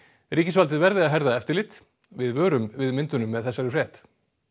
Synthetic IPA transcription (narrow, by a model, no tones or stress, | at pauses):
riːcɪsvalt̪ɪðvɛɾðɪaðɦɛɾðaɛft̪ɪɾlɪt̪ | vɪðvœːɾʏmvɪðmɪnt̪ʏnʏmːɛðθɛsːaɾɪfrɾɛht̪